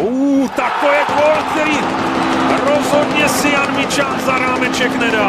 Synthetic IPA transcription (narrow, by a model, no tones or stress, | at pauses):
uːt̪akojɛkɔlk̚t̪ɛɾiː | ɾɔzɦɔd̪ɲɛsianmit͡ʃanzaɾaːmɛt͡ʃɛknɛda